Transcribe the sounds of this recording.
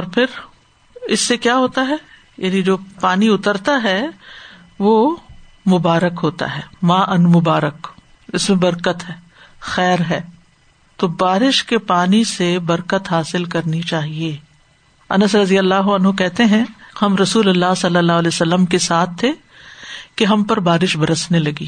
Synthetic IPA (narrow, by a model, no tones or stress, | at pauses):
ɔːɾpʰɪɾ | ɪsːekjaːɦoːt̪aɦɛː | jaːnid͡ʒoːpaːniʊt̪əɾt̪aɦɛ | ʋoː | mʊbaːɾəkɦoːt̪a̰ɦɛːmãːʔɐnmʊbaːɾək | ɪsmẽbɐɾkət̪ɦɛː | xɛːɾɦɛː | t̪obaːɾɪʃkepaːnisebɐɾkət̪ɦaːsɪlkɐɾnit͡ʃaːɦieː | ɐnəsɾɐd̪ijəlːaːɦoɐnɦokɛɦt̪eɦɛ̃hɐmɾɐsuːlɐlːaːsɐlːəlːaːɦlɛsɐlːəmkesaːt̪̚ʰːe | keɦɐmpɐɾbaːɾɪʃbʱɐɾəsnelɐɡḭː